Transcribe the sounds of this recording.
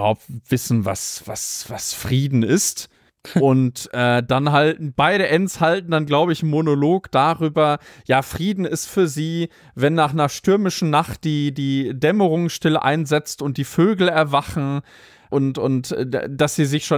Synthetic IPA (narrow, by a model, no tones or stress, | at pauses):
haʊp̚tv̥ɪsn̩va̰sv̥a̰sv̥asfʁ̥iːdn̩ɪst | ʔʊntʔɛːd̥anɦaltnb̥aɪɾəʔɛnshaltn̩danɡlaʊbəɪçɪmonoloːkd̥aːʁyːbɐjaːfʁ̥iːdn̩ɪstfyːɐziː | vɛnːaːχnɐʃtʏɐmɪʃn̩naχt̚d̥iːdiːdɛməʁʊŋsʃtɪləʔa̰ɪnzɛt͡stʊnt̚d̥iːføːɡl̩ɛɐvaχn̩ | ʔʊntʊntɛ̰d̥asz̥iːzɪçʃoː